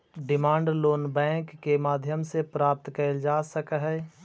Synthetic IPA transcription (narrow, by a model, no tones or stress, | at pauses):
ɖɪmaːɳɖloːnbɛ̃ːŋkːemaːd̪ʱjəmsepɾaːp̚t̪kəɾld͡ʒaːsəkəɦɛ